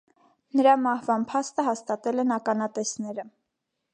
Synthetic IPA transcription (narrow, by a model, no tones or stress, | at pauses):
nəɾɑmɑhvɑnpʰɑst̪əɦɑst̪ɑt̪ɛlɛnɑkɑnɑt̪ɛsnɛɾə